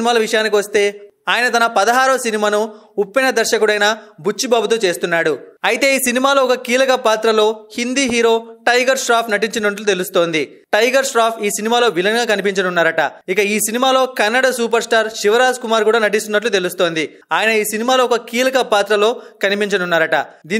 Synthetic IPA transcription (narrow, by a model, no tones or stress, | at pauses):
maːlɐʋiʂɐjaːnikiʋɐst̪e̞ː | aːjɐnɐt̪ɐnɐpɐd̪ɐɦaːɾɐːsinimaːnuupːinɐd̪ɐɾʃɐkuɽɐjnɐbʱut͡ʃːibaːbut̪oːt͡ʃe̞ːst̪unːaːɽuɐjit̪e̞ːiːsinimaːlo̞ːɔkɐkiːlɐkɐpaːt̪ɾɐlo̞ːhind̪iːɦiːɾo̞ːʈɐjɡɐɾʂɾaːpnɐʈiɲt͡ʃɐnɐʈlut̪e̞lust̪o̞ːnd̪i | ʈɐjɡɐɾʂɾaːpʰiːsinimaːlo̞ːbilɐŋɡaːkɐnipiɲt͡ʃɐnunːaːɾɐʈɐ̰ikɐiːsinimaːlo̞ːkɐnːɐɽɐsuːpɐɾsʈaːɾʃiʋɐɾaːd͡ʒkumaːɾkuːɽaːnɐʈ̬ist̪unːɐʈ̬lut̪elust̪o̞ːnd̪i | aːjɐnɐiːsinimaːloːkɐkiːlɐkɐpaːt̪ɾɐlo̞ːkɐnipiɲt͡ʃɐnunːaːɾɐʈɐ̰d̪iː